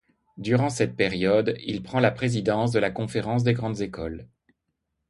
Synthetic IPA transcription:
d̪yʁɑ̃sɛt̪̚peʁjɔd̪ilpχɑ̃lapχezid̪ɑ̃s̬d̪əlakɔ̃feʁɑ̃s̬d̪eɡʁɑ̃d̪zekɔl

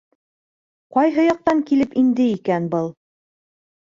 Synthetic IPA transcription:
qɒjɦɤjɒq̚t̪ɑŋkilɘpind̪ɘikænbɤlˠ

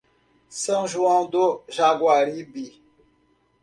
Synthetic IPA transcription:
sə̃ŋʒuãd̪oʒaɡwaɾibi

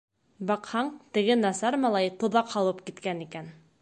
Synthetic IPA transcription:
bɑqhɑɴt̪ɘ̆ɡɘnɑsɑɾmɑlˠɑjt̪ŏðɑqhɑlˠɤpkit̪kænikæn

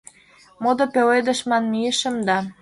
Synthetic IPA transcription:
mod̪ŏpeled̪ə̆ʃmɑnmieʃə̆md̪ɑ

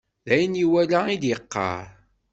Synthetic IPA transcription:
ðæjənjiwælæid̪jəqːɑ̰ɾˤ

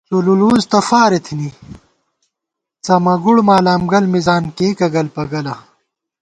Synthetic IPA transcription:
sululuːzt̪ɐfaːɾet̪ʰini | t͡sɐmɐɡuɽmaːlaːmɡɐlmizaːnkeːkɐɡɐlpɐɡɐlɐ

